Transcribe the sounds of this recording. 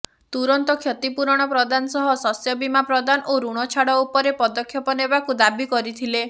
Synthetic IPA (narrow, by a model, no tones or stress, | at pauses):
t̪uɾɔnt̪ɔkʰjɔt̪ipuɾɔɽ̃ɔpɾɔd̪anɔsɔɦɔsɔsjɔbimapɾɔd̪anʔoɾuɽ̃ɔt͡ʃʰaɽɔupɔɾepɔd̪ɔkʰːjɔpɔnebakud̪abikɔɾit̪ʰile